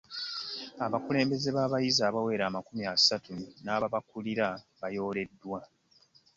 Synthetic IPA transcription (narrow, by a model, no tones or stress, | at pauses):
aβakule̞ːmbe̞ze̞βaːβajizaːβawe̞ːɾaːmakumiasatunaːaβakuliɾa | βajo̞ːle̞dːwa